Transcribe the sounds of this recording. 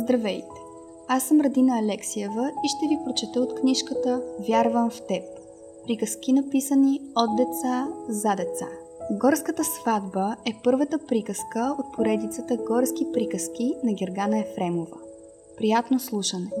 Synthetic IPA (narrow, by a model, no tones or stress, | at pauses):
zd̪ɾɐvɛjt̪ɛ̥ | asːəmɾɐd̪inəːlɛksiɛvəiʃt̪ɛvipɾot͡ʃɛt̪əot̪kniʃkət̪əvʲjaɾvəmft̪ɛp | pɾikəsk̟inɐpisəniod̪̚d̪ɛt̪sazad̪ɛt̪sa̰ | ɡɔɾskət̪əsvad̪bəɛpɤɾvət̪əpɾikəskəot̪̚pʰoɾɛd̪it̪sət̪əɡɔɾsk̟ipɾikəsk̟inɐɡʲɛɾɡanəɛfɾɛmovə̰ | pɾijat̪noslˠuʃənɛ